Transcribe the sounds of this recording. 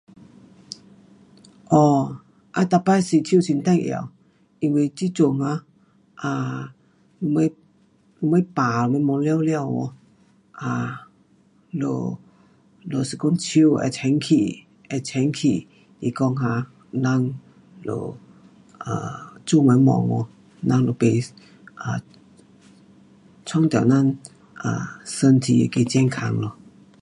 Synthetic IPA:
ʔɔ˧˩ | ʔa˧t̪a˧pa˧˨si˧˩t͡ɕʰi˧˨sʰi˧nt̪a˥˧˨ŋʔḭ˧˨ | ʔi˧ŋwe˧t͡ɕi˧˦t͡ɕo˧ŋha˧˦ | ʔa˧ | lu˧ma˧˦j | lu˧˦ma˧˦paː˨˧ma˧˦mɔ˧lɛ˧˨wlɛ˧˨wɔ̰˧˦ | ʔa˧˩ | lo̰˧˩ | lo˧˩sə˧ku˧˥˨nt͡ɕʰi˧˥˦wɛ̰˧˩tʰɛ˨˧˦ŋkʰi˨˩ | ʔɛ˧˩t͡ɕʰɛ˨˦ŋkʰi˨˩ | i˧˩kɔ˧˨ŋha˧ | na˧˥˨ŋ | lo̰˧˩ | ʔa˨˩t͡ɕu˧˨ma˨˧˦jmɔ̰˧˨ŋɔ̰˧˦ | na˧˥˨ŋlo˧˩pe˧ | ʔa˨˩ | t͡ɕʰɔ˥˨ŋt̪ɛ˨wna˥˨n | ʔa̰˨˩sə˧nt̪ʰi˧ke˧t͡ɕɛ˥˧˩ŋkʰa˧˦ŋlo˧

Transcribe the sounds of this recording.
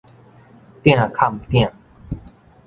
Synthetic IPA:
t̪jã˥˨kʰa˥˨mt̪jã˥˨

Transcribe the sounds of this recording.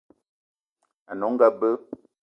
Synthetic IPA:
a˨nɔ˨˦ŋ̩˦ɡa˦bə˦

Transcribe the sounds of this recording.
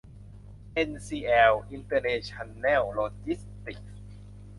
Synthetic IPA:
ʔe˧nsiː˧ʔɛː˧wʔi˧nt̪ɤ˧neː˧t͡ɕʰa˧nːɛː˥˩wloː˧t͡ɕi˦˥st̪i˨˩k̚

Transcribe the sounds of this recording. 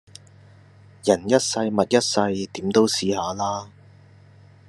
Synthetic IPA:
jɐ˨˩njɐ˥t̚sɐ˧jmɐ˨t̚jɐ˥t̚sɐ˧jt̪iː˨˥mt̪o˥wsiː˨˥haː˨˧laː˥

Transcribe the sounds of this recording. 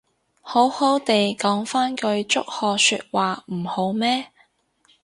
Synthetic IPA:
ho˨˥who˨˥wt̪e˨jkɔː˨˥ŋfaː˥nkɵ˧ɥt͡ʃʊ˥k̚hɔː˨sy̰ː˧t̚waː˨m̩˨˩ho˨˥wmɛː˥

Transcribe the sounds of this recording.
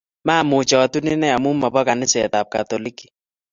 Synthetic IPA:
ma˦˨mʊ˨t͡ʃɔ˨tu˦nɪ˦nɛ˦a˨mu˦mɔ˨bɔ˦ka˨nɪ˦sɛ˨ta˨p̚ka˨t̪ɔ˨li˦ki̥˨

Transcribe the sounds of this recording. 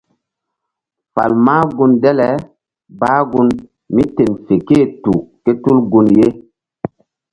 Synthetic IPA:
fa̰˨lmaː˦ɡu˦ndɛ˦lɛ˨ | baː˦ɡu˦n | mi˦te˨nfe˨ke˦˨tu˨ke˦tu˦lɡu˨nje˦

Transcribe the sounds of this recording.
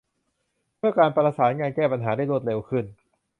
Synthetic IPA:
pʰɯ˥˩əkaː˧npa˧laː˧saː˩˦nŋaː˧nkɛː˥˩pa˧nɦaː˩˦da˥˩jlu˥˩t̪̚le˧wkʰɯ˥˩n

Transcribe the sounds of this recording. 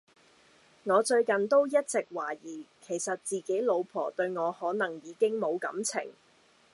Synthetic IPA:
ŋɔː˨˧t͡ʃɵ˧ɥkɐ˨nt̪o˥wjɐ˥t̚t͡sɪ˨k̚waː˨˩jiː˨˩kʰe˨˩jsɐ˨t̚t͡siː˨ke˨˥jlo˨˧wpʰɔ̰ː˨˩t̪ɵ˧ɥŋɔː˨˧hɔː˨˥nɐ˨˩ŋjiː˨˧kɪ˥ŋmo˨˧wkɐ̰˨˥mt͡sʰɪ̰˨˩ŋ

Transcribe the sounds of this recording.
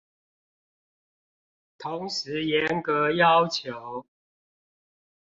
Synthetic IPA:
t̪ʰʊ˧˥ŋʂɻ̩˧˥jɛ˧˦nkə˧˦jɑ˦ʊt͡ɕʰjo˨˦ʊ

